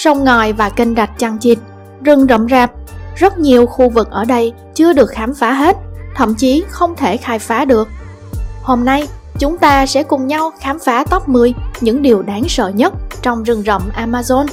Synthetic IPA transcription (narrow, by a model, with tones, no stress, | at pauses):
sə˧wŋ͡mŋɔ˨˩jvaː˨˩kï˧ŋ̟za˨˩jk̚t͡ɕa˧ŋt͡ɕi˨˩t̚ | zɨ˧˩ŋzə̰˧˨ŋ͡mzaː˨˩p̚zə˦˥t̚ɲi˨˩əwxu˧vɨ˨˩k̚ʔəː˧˩ɗə˧j | t͡ɕɨ˧əɗɨ˨˩ək̚xaː˨˦mfaː˨˦ɦe˦˥t̚t̪ʰə̰˧˨mt͡ɕi˨˦xə˧wŋ͡mt̪ʰe˧˩xaː˧jfaː˨˦ɗɨ˨˩ək̚ | ho˧mna˧j | t͡ɕʊ˨˦ŋ͡mt̪aː˧sɛ̰˧˥kʊ˨˩ŋ͡mɲa˧wxaː˨˦mfaː˨˦t̪ɔ˦˥p̚mɨ˧əjɲɨ̰˧˥ŋɗi˨˩əwɗaː˨˦ŋsə̰ː˧˨ɲə˦˥t̚t͡ɕɔ˧wŋ͡mzɨ˨˧˩ŋzə̰˧˨wmʔaː˧maː˧zo˧n